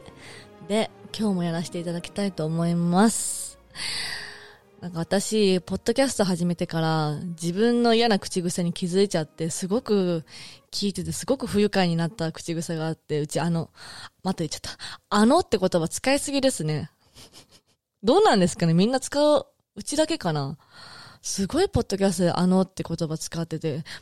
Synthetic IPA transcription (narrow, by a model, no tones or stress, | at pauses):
d̪e̞kʲo̞ːmo̞jaɾaɕi̥t̪e̞it̪ad̪akʲi̥t̪ait̪o̞ːmo̞imasɨ̥ | nãŋkaβat̪aɕipo̞d̪̥ːo̞kʲasɨ̥t̪o̞ɦaʑime̞t̪e̞kaɾad͡ʑibɯ̟̃nːo̞ijanakɯ̟̥t͡ɕiɡɯ̟saɲ̟ikʲizɨit͡ɕat̪ːe̞sɨɡo̞kɯ̟kʲʰiːt̪e̞t̪e̞sɨɡo̞kɯ̟ɸɯ̟jɯ̟kaiɲ̟inat̪ːakɯ̟̥t͡ɕiɡɯ̟saɡaːt̪ːe̞ɯ̟t͡ɕiano̞mat̪ait͡ɕḁt̪ːḁano̞t̪ːe̞ko̞t̪o̞βat͡sɨ̥kaisɨɡʲid̪e̞sɨne̞ | d̪o̞ːnãnd̪e̞sɨ̥kane̞mʲĩnːat͡sɨ̥kaɯ | ɯ̟t͡ɕid̪ake̞kana | sɨɡo̞ipo̞d̪ːo̞kʲas̬ɨt̪od̪e̞̰ʔano̞t̪ːe̞ko̞t̪o̞bat͡sɨ̥kat̪ːe̞t̪e̞